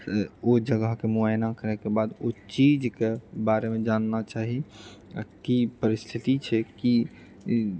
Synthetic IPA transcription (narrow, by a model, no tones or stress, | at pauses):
od͡ʒəɡəɦkemuajnakəɾɛkebad̪ot͡ʃid͡ʒkebaɾemẽd͡ʒanːat͡ʃaɦia̰kipəɾist̪ʰit̪it͡ʃʰɛki